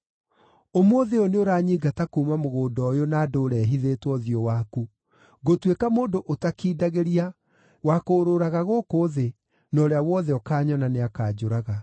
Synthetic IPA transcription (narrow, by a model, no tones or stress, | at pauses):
omoðeoneoɾaɲiːɡatakumamoɣoːdɔjonaːdoːɾɛɦiðeːtwɔðiɔwaku | ɡotwekamoːndoʔotakiːdaɣeɾia | wakoɾoɾaɣaɣoːkoðe | nɔɾeawɔðɛɔkaːɲɔnaneakaːd͡ʑoɾaɣa